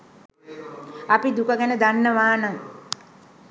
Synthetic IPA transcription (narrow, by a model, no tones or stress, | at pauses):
apid̪ukəɡænəd̪anːəʋaːnaŋ